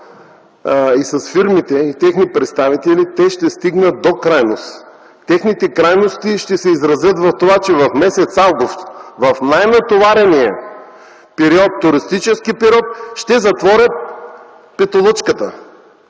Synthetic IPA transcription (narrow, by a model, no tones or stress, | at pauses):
isɐsfiɾmit̪ɛit̪ɛxnipɾɛt̪st̪avit̪ɛlit̪ɛʃt̪ɛst̪iɡnət̪̚d̪okɾajnos | t̪ɛxnit̪ɛkɾajnost̪iʃt̪ɛsɛizɾɐzʲjɤt̪vɐft̪ovat͡ʃɛvɐfmɛsɛt̪salɡost̪t̪vɐfnajnɐt̪ovaɾɛniə | pɛɾiɔt̪ːʊɾist̪it͡ʃɛskipɛɾʲiɔt̪ʃt̪ɛzɐt̪vɔɾʲət̪̚ | pɛt̪olˠɤt͡ʃkət̪ə